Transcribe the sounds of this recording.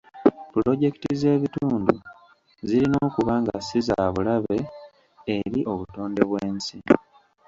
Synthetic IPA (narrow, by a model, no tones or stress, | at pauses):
pulo̞ɟe̞kitize̞ːβituːndu | ziɾinoːkuβaːŋɡasiza̰ːβulaβe̞ː | ɾiʔo̞βuto̞ːnde̞βweːnsi